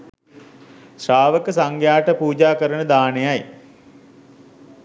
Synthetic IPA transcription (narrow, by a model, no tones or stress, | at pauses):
ʃaːʋəkəsaŋɡjaːʈəpuːd͡ʒaːkəɾənəd̪aːnejaj